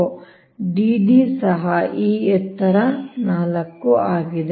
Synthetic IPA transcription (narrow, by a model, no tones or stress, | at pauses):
ɖiɖisɐɦɐʔiːɛt̪ːɐɾɐnaːlɐkːuaːɡid̪e